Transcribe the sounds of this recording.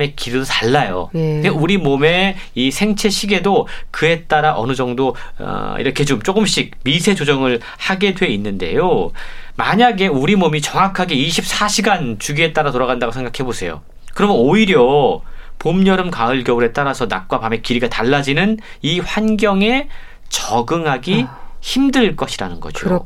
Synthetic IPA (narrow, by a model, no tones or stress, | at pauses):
me̞kiɾidotaɭːajo̰euɾimome̞isʰe̞ŋt͡ɕʰe̞ɕʰiɡe̞dokɯe̞t͈aɾaʔʌ̰nɯd͡ʑʌŋdo̰ḭɾʌkʰe̞t͡ɕomt͡ɕ͈oɡɯmɕ͈ik̚misʰe̞d͡ʑod͡ʑʌŋɯɭ | haɡe̞dwe̞inːɯnde̞̰jo | maɲaɡe̞uɾimomit͡ɕʌŋakʰaɡe̞iɕʰip̚s͈ʰaɕʰiɡant͡ɕuɡie̞t͈aɾatoɾaɣandaɡosʰeŋɡakʰe̞bosʰe̞jo̰ | kɯɾʌmɯnoiɾjʌ | pomɲʌɾɯmkaɯɭɡjʌbuɾe̞t͈aɾasʰʌna̰k̚k͈wapame̞kiɾiɡataɭːad͡ʑinɯn | iɸwanɡjʌŋe̞ | t͡ɕʌɡɯŋɦaɡiçimdɯɭk͈ʌɕʰiɾanɯnɡʌ̰d͡ʑio̰